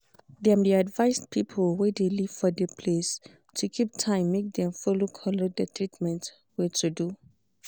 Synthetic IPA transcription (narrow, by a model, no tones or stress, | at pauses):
dɛ̃mdiadvaɪspʰipʰolwɛdeliv̥fɔdɛpʰles | tʰukʰip̚tʰãɪ̃mːek̚dɛ̃mfɔlokʰɔlodətʰɹitmɛ̃nt | wɛtʰudu